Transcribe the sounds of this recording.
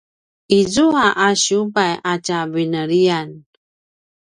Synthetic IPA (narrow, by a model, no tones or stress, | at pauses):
izuaʔaɕubajʔat͡ɕavinəɾian